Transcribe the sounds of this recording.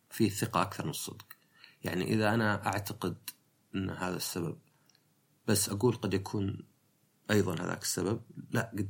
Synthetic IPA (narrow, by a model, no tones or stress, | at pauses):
fiːθɪqɑʔakθɑɾˤmɪnɨsˤːɨ̰d̪q | ja̰ʕnḭʔɪðaʔanaʔaʕt̪aqɪd̪ | ʔɪnːhaːðasːabab̚ | b̥asːʔaɡuːlqɑd̪jakʰuːn | ʔɑjðˤɑnha̰ða̰ːksːabab̚laʔɡad̪